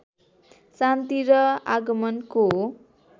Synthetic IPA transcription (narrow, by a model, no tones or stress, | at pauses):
sant̪iɾʌaɡʌmʌnko